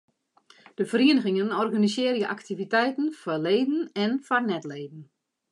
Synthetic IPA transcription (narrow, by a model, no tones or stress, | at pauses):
d̥əfəɾiənəɣɪŋənɔrɣanisɪːrjəʔaktivitɛjtən̩fɔleːdn̩ɛnfɔrnɛtleːdn̩